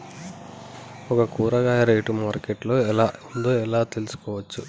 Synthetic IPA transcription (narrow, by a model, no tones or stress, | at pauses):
ɔkɐkuːɾɐɡaːjɐɾejʈumaːɾkeʈlo̞ːɛlaːund̪oːɛlaːt̪e̞lusu̥kɔːʋɐt͡ʃːu